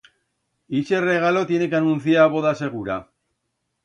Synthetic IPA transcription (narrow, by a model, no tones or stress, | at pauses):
it͡ʃere̞ɣ̞alo̞t̪je̞nekanunθiaβo̞ðase̞ɣ̞uɾa